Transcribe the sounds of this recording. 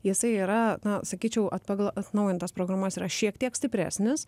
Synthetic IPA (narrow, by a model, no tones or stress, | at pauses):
jɪsɐɪiːɾɐnɐsɐkʲiːt͡ʃʲɛʊʔɐt̪pɐɡlˠɐt̪nɐʊjɪnt̪ɐspɾoːɡɾɐːmɐsiːɾɐʃʲiɛkt̪ʲiɛksʲt̪ʲɪpʲɾʲæ̰ːsʲnʲɪs